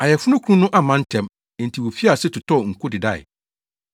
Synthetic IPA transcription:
a˨jɛ˨fʊ˦nʊ̃˦kʰu˦ũ˦nʊ̃˦ʔa˦mã˨˦n̩˦tʰɛ̃˦m | ɛ̃˨n˨tʰi˨wo˨fi˦a˨sɛ˦tʰʊ˨tʰɔ˦˨ŋ̩˨kʰʊ˦dɪ˨da˦˨ɪ̰˨

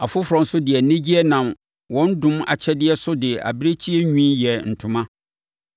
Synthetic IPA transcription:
a˨fʊ˦fʊ˨ɾɔ̃˨n˦sʊ˦dɪ˨ɛ˨nɪ̃˦d͡ʑi˦ɛ˦nã˨m | wɔ̃˦n˦dʊ̃˦ma̰˨t͡ɕʰɛ˦dɪ˦ɛ˦sʊ˦dɪ˨a̰˨bi˦ɾe˦t͡ɕʰi˦ɛ˦ɲᶣĩ˦jɛ˨n̩˨tʰʊ̃˦mã˦

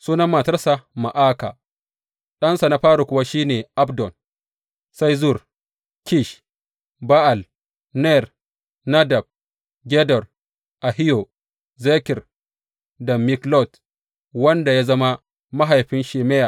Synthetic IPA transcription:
suː˦nɐ˦mːaː˨tɐ˦rsa˨ma˨ʔaː˦ka̰˨ | ɗɐ˦nsa˨na˦ɸaː˦ɽu˨kʷʊ˨wa˦ʃiː˦neː˨ʔa˦bdɔ˨n | sa˦jzu˦˨r | ki˦ʃ | ba˦ʔa˨l | nɛ˦˨r | na˦dɐ˨b̚ | ɡʲɛ˦dɔ˨r | ʔa˨ɦɪ˦jo˨ | zeː˦kɪ˨r | dɐ˨mi˦klɔ˦˨t | wɐ˦nda˨ja˦zɐ˦ma˦ | ma˦ɦa˨jɸɪ˦nʃeː˨mɛ˦ja˨

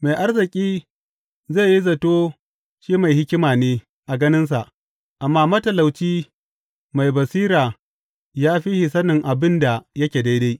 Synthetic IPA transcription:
ma˨jʔa˦rzɪ˨kʲʼiː˦ | zeː˦˨ji˦zɐ˨toː˦ | ʃiː˦ma˨jhɪ˦kʲɪ˦maː˨neː˦ | ʔa˨ɡɐ˦nɪ˦ns̬a˨ʔ | ʔa˨mːaː˦mɐ˦tɐ˨la˨wt͡ʃiː˦ | ma˨jbɐ˨siː˦ɾaː˨ | jaː˦ɸi˦hi˨sɐ˦nɪ˨ŋʔa˨bɪ˦nda˨jɐ˦kʲeː˨da˦jda˦j

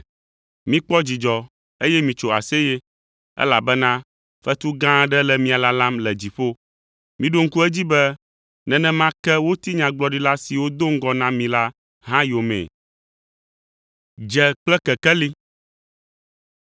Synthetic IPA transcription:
mĩ˦k͡pɔ˦d͡ʑi˨d͡ʒɔ˨ | e˦jɛ˦mĩ˨t͡ʃo˨a̰˨se˦jɛ˦ | ɛ̰˦la˨bɛ˦nã˦ | fɛ˦t̪u˦ɡã˦ɖɛ˦lɛ˨mĩ˨a˨la˦la˦mlɛ˨d͡ʑi˨ɸo˦ | mĩ˨ɖo˦ŋ̩˦ku˦ɛ˦d͡ʑi˦bɛ˦ | nɛ̃˨nɛ̃˨mã˦kɛ˦wo˦t̪i˦ɲã˨ɡ͡blɔ˦ɖi˦la˦si˨wo˦d̪o˦ŋ̩˦ɡɔ˦nã˦mĩ˨la˦ | ɦã˦jo˨mɛ̰̃˨ | d͡ʒɛ˨k͡plɛ˦kɛ˨kɛ˦li˦

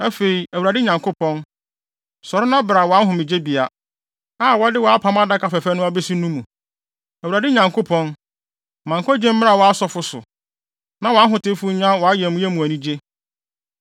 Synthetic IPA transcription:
æ˦fe˨i˨æ˨u˨ɾa˨dɪ˦ɲã˨ŋkʰʊ˦pʰɔ̃˦n | sɔ˨ɾɪ˦nã˦bɾa˨wɔ˨a˦ɦʊ̃˨mɪ̃˨d͡ʑe˦bi˨a˨ | aː˦˨wɔ˦dɪ˦wɔ˨a˦pʰã˦m˦a˦da˦kʰa˨fɛ˨fɛ˦nʊ̃˦a˦be˦si˦nũ˦mũ˨ | æ˨u˨ɾa˨dɪ˦ɲã˨ŋkʰʊ˦pʰɔ̃˦n | mã˨ŋ˨kʰɔ˦d͡ʑɛ̃˦m̩˦ɪ̃˦a˨wɔ˨a˦sɔ˦fʊ˨sʊ̰˨ | nã˦wɔ˨a˦ɦʊ̃˨tɪ˦fu˦ɲã˦wɔ˨a˦jɛ˨mũ˦jɛ˦mũ˨æ˨nĩ˦d͡ʑe˦

